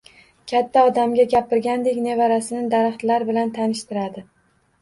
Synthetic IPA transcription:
kʲʰat̪ʰːaɒd̪amɡʲaɡʲapɪɾɡʲand̪e̞kʲne̞vaɾasɪnɪd̪aɾaχt̪laɾbɪlant̪ʰanɪʃt̪ɪɾad̪ɪ

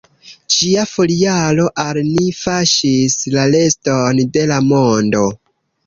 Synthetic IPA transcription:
t͡ʃiafolialo̞ʔalnifaʃislale̞sto̞nde̞lamo̞ndo̞

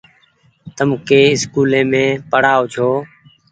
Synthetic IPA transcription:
t̪əmkeːɪskuːlẽːmẽːpəɽaːʊt͡ʃʰoː

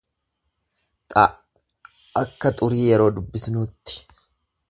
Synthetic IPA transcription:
t̪ʼɐ | ɐkːɐt̪ʼʊɾiːjɛɾo̞ːd̪ʊbːɪsnʊːt̪ːɪ̥

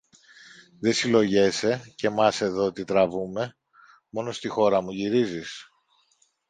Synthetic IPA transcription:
ðe̞silo̞ʝe̞se̞ce̞mɐse̞ðo̞t̪it̪ɾɐvume̞ | mo̞no̞st̪ixo̞ɾɐmuʝiɾizis

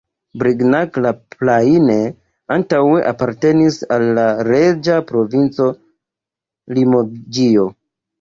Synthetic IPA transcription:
bɾiɡnaklaplaine | antawe̞ʔapaɾte̞nisalːaɾe̞d͡ʒapɾo̞vint͡so̞ | limod͡ʒio

